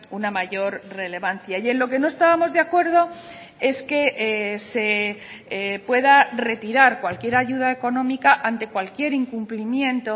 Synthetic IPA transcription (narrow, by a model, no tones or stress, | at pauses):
unamaʝo̞ɾre̞le̞βanθjaje̞nlo̞ke̞no̞e̞st̪aβamo̞zðeakwe̞ɾð̞o̞ | e̞ske̞ʔse̞ | pwe̞ðare̞t̪iɾaɾkwalkje̞ɾaʝuðaeko̞nõ̞mikaʔant̪e̞kwalkje̞ɾiŋkumplimjẽ̞nt̪o̞